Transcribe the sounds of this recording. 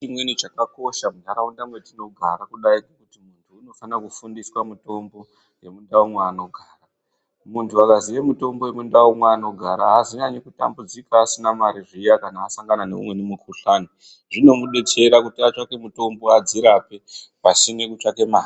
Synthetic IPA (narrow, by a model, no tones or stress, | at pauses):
t͡ʃimwenit͡ʃakako̞ʃamunaɾaundamwetino̞ɡʱa̰ɾakuɗaikekutimuntʰuːno̞fanakufundiswamuto̞mbo̞ | je̞mundaumweano̞ɡʱaːra | muntʰuakaziʋemuto̞mbo̞jemundaumweano̞ɡʱaɾaɦːziɲaɲikuta̰mbud͡zikaːsinamaɾiʐijakanaːsaŋɡananḛṵmwe̞nimukuɬaːni | ʐino̞muɗetʰe̞ɾakutat͡ʂake̞muto̞mbo̞ad͡ziɾape̞ | pasimwe̞kut͡ʂake̞maːri